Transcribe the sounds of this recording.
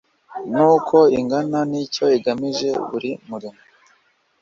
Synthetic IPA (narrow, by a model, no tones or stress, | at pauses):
nuːkʰo̞iŋɡananico̞iɡamiʒe̞βuɾimuɾimo